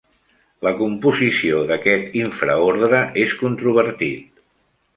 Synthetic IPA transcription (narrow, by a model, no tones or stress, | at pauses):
ləkumpuzisioðəkɛt̪iɱfɾəoɾðɾəʔeskunt̪ɾuβ̞əɾt̪it̪